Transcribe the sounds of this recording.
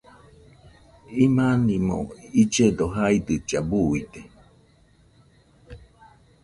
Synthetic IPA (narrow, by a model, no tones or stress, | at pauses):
imãnimõ̰id͡ʒed̪oɦaid̪ɨt͡ʃabuid̪e